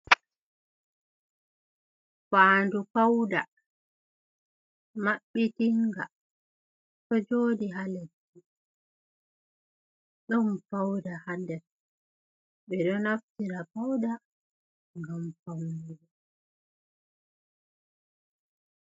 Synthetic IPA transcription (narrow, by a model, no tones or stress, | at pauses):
faːndupawda | maɓːitiŋɡa̰ | tɔd͡ʒoːdiɦaledːi | ɗɔmpawdahadɛɾ | ɓɛɗɔnaftiɾapawda | ŋɡamfawnuɾɛ